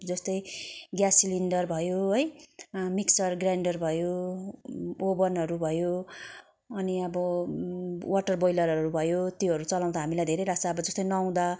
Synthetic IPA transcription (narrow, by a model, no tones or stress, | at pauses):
d͡zʌst̪ʌjɡjasilinɖʌrbʱʌjoɦʌjmiksʌrɡraɳɖʌrbʱʌjo | obʌnɦʌɾubʱʌjo | ʌniʌbʌ | waʈʌrbʌjlʌɾɦʌɾubʱʌjot̪jeɦʌɾut͡sʌlaw̃d̪aɦamilajd̪ʱeɾejɾasaːbʌd͡zʌst̪ʌjnʌw̃d̪a